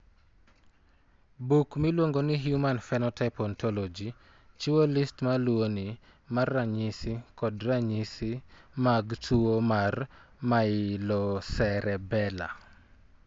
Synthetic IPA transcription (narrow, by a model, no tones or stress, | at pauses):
bukmilwoŋɡoniɦjumanfɛnɔtaɪpɔntʰɔlɔd͡ʒi | t͡ʃiwolistmalwoni | marːaɲɪsikɔdraɲisimaɡtʰuwomarmaɪlɔsɛɾɛbɛla̰